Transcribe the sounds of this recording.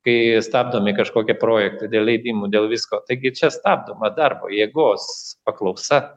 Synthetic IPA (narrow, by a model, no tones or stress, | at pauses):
kɐɪst̪ɑːb̚d̪oːmikɐʃkoːkʲiɛpɾoːjɛk̚t̪ɐd̪ʲeːlʲɛɪd̪ʲiːmuːd̪ʲeːlˠʋʲɪskoːt̪ɐɪɡʲɪt͡ʃʲɛst̪ɑːb̚d̪oːmɐd̪ɐrbo̰ːjeːɡoːspɐklˠɐʊsɐ